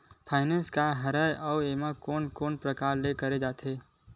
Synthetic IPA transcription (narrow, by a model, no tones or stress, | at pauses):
pʰaːɪnẽnskaɦɐɾəjɔːeːmakoːnkoːnpɾɐkaːɾlekɐɾed͡ʒaːt̪ʰeː